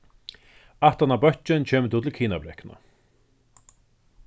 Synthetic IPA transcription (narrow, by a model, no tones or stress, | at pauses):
aht̪anabœht͡ʃɪnt͡ɕʰɛːmət̪uːt̪ʰɪlkʰiːnabɾɛhkna̰